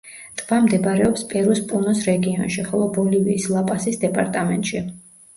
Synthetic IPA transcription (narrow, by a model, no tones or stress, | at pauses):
t̪ʼvamd̪ɛbɾɛɔpspʼɛɾuspʼunɔsɾɛɡiɔnʃiχɔlˠɔbɔliviːslˠapʼasisd̪ɛpʼaɾt̪ʼamɛnt̪ʼʃi